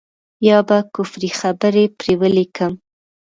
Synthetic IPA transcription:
jɑbakʊfɾixabəɾepɾewəlikəm

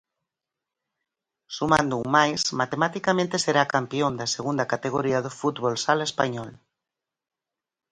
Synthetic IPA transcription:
sumãnd̪uuŋmajsmat̪emat̪ikamẽnt̪eseɾakampiõnd̪aseɣund̪akat̪eɣ̞oɾiaðofut̪βolsalespaɲɔl

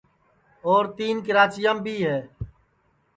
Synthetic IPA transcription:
oːɾt̪iːnkɪɾaːt͡ʃɪjãːmbʱiːɦɛː

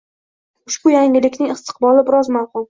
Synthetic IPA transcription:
ʊʃbʊjaŋʲɪlɪkʲnɪŋɪst̪ʰɨ̥qbɒlˠɪbɪɾɒzmalˠqʊl

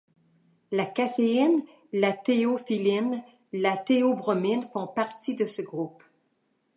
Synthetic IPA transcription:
lakafein | lat̪eofilin | lat̪eobʁɔminfɔ̃paʁt̪id̪əsəɡʁup

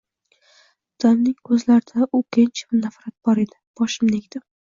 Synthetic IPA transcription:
d̪̥ɒnnɪŋʰɵzlaɾɪd̪aʔʊkʰʲent͡ʃʰmʊnafɾat̪̚b̥ɒɾed̪ɪ̥b̥ɒʃɪmnekʲd̪̥ɪ

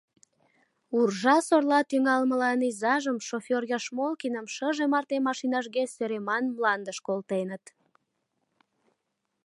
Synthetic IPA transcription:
urʒɑsorlɑt̪yŋɑlməlɑnizɑʒəmʃofʲorjɑʃmolkinəmʃəʒemɑrt̪emɑʃinɑʃɣesøɾemɑnmlɑnd̪əʃkolt̪enət̪

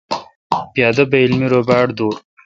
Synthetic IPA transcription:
pjɑːd̪ɐbɐilmiɾobaːʈd̪uːɾ

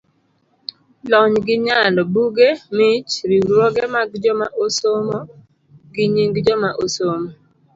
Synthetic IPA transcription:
lɔɲɡɪɲalɔbuɡemɪt͡ʃɾiɾwɔɡɛmaɡd͡ʒɔmaʔosomo | ɡɪɲiŋɡd͡ʒɔmaʔosomo

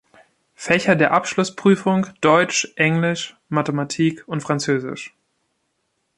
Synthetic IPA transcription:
fɛçɐdeːɐʔapʃlʊspʁ̥yːfʊŋd̥ɔʏt͡ʃʔɛŋlɪʃ | matəmatʰiːkʊntfʁ̥ant͡søːzɪ̰ʃ

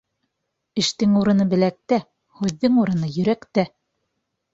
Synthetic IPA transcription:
ɘ̆ʃt̪ɘŋuɾɤ̆nɤbɘ̆læk̚t̪æ | hʉðːɘŋuɾɤ̆nɤjɵ̆ɾækt̪æ

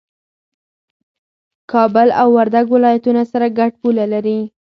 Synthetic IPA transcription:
kɑbəla̰wːaɾd̪aɡwɪlɑjat̪unasaɾaɡaʈ̚pulalaɾi

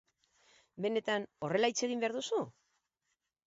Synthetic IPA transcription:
be̞ne̞t̪ano̞re̞lait͡se̞ɣ̞imbe̞aɾðusu

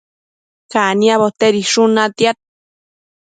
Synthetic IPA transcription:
kaniaβot̪eɾiʂunat̪jat̪̚

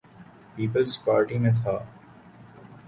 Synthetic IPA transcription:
piːpəlspaːɾʈimẽt̪ʰaː

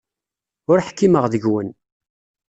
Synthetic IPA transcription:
ʊɾħkːiməʁðəʝwən

